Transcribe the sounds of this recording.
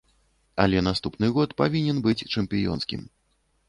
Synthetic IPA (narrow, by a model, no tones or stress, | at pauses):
ɐlʲɛnast̪upnɨɣɔt̪pavʲinʲɛnbɨt͡sʲt͡ʂɛmpʲijɔ̰nskʲḭm